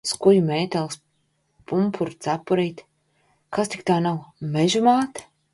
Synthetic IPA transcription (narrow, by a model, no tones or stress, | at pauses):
skuʎumeːt̪ɛlˠs | pumpʰuɾt̪sapːuɾiːt̪ | kast̪ikt̪aːnawmeʒumaːt̪